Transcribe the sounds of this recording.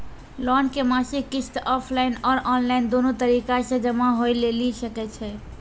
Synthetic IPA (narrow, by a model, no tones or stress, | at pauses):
lɔnkemãsikisʈɔpʰlainɔɾʔɔnlaɪnd̪onot̪əɾikasə̃d͡ʒəmaɦojlelisəkɛt͡ʃʰɛ